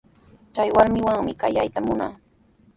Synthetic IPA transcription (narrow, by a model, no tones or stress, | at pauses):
t͡ʃajwaɾmɪwaŋmɪkajajt̪amʊna̰ː